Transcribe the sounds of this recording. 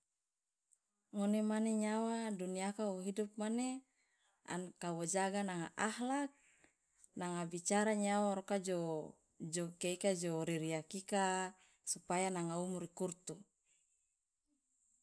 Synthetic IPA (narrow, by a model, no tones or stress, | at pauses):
ŋonemaneɲawaduniakauɦidup̚mane | a̰nkawod͡ʒaɡanaŋaʔahlak̚ | naŋabit͡ʃaɾaɲawaɾokad͡ʒo | d͡ʒokeikad͡ʒoɾiɾiakika | supajanaŋaumuɾikurt̪u